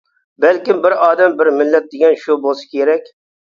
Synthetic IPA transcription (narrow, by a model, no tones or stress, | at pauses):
bælkʲɪmbɪɾɑːd̪ɛmbɪɾmɪlːɛt̪̚d̪ɪɡʲɛnʃubolˠsɪ̥kʲʰeɾɛkʲ